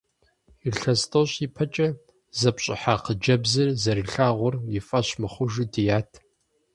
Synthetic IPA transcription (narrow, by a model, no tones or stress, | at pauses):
iɬɐstʰʼoɕipʰɐt͡ʃʼɐ | zɐpɕʼɪħaːqəd͡ʒɐbzɐrzɐɾɨɬaːʁʷʊrjɪfʼɐɕmɨχʷʊʒɨdijaːtʰ